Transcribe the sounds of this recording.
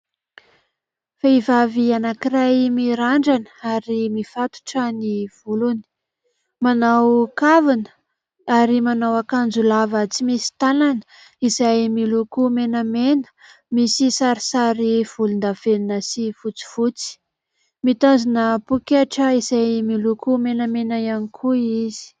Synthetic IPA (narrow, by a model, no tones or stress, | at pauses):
feivavianakirajmiɾaɳɖ͡ʐanəaɾimifat̪u̥ʈ͡ʂəniv̥uluni̥ | manawkavanə̥ | aɾimanawakand͡zulavət͡simisi̥t̪ananə̥ | izajmilukumenəmenə̥ | misisaɾisaɾiv̥ulund̪aveninəsifut͡si̥vut͡si̥ | mit̪azinəpukeʈ͡ʂəizajmilukumenamenaianikʰuizi̥